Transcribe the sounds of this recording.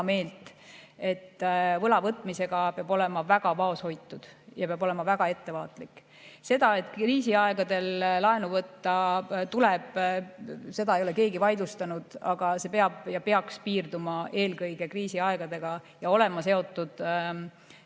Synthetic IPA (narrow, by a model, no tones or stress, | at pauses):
me̞ːlt̪ˑe̞t̪ːvɤlɑvɤt̪ːˑmise̞ɡ̥ɑpeɑbo̞lɛ̞mɑvæɡ̥ɑvɑo̞sho̞jt̪ːˑud̪̥jɑpeɑbo̞le̞mɑvæɡ̥ɑe̞t̪ːe̞vɑ̰ːt̪ˑlikːˑ | se̞d̪̥ɑe̞t̪ːˑkriːsiɑeɡ̥ɑd̪̥e̞lːɑenuvɤt̪ːɑt̪uleb̥ | se̞d̪ɑejo̞le̞ke̞ːɡivɑjd̪ust̪ɑnud̪̥ɑ̰ɡ̥ɑse̞peɑb̥jɑpe̞ɑkspiːrd̪umɑʔe̞ːlɡɤjɡ̥e̞kriːsiɑe̞ɡ̥ɑd̪e̞ɡ̥ɑjɑo̞lɛmɑse̞o̞t̪ːˑud̪̥